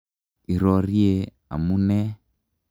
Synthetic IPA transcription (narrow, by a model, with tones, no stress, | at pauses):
i˨ɾɔ˨ɾi˦e˨ | a̰˨mu˦nɛ˦